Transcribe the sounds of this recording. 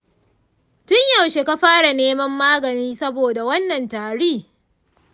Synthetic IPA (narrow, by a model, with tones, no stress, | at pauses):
tʊ˦ɲjɐ˨wʃe˨ka˦ɸaː˦ɽa˨neː˦mɐ˦mːaː˦ɡɐ˨niː˦sɐ˦boː˨da˨wɐ˦nːɐ˨ntaː˨ɽiː˦˨